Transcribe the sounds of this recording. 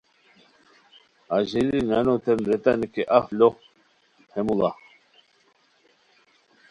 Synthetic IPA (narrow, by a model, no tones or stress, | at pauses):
aʑelinanot̪enɾet̪ankeʔaflo | hemula̰